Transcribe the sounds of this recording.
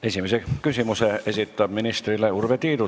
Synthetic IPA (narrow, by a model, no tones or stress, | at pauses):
e̞simesekysʲimuse̞e̞sit̪ːˑɑb̥minist̪rileurvet̪iːd̪u